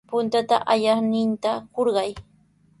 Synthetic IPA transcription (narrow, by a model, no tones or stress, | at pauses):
pʊnt̪at̪a̰ʔaʎɑχnɪnt̪akoɾɢɑj